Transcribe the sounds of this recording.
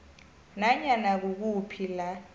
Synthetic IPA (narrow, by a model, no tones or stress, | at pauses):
naɲanak̬uk̬upʰila